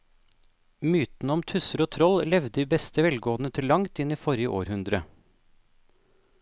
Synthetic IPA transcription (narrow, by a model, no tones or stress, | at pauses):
myːt̪n̩əɔmt̪ʰʉsəɾoːt̪ʰɾɔllɛʋd̪əiːbɛst̪əʋɛlɡoːn̩ət̪ʰɪlːɑŋt̪ɪniːfɔɾjəʔo̰ːɾhʉnd̪ɾə